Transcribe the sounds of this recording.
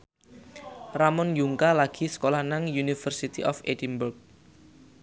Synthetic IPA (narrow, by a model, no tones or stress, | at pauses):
ramɔnjuŋkalaɡ̥i̤sə̥kolahnaŋjunifərsit̪ḭʔɔfedinburk̚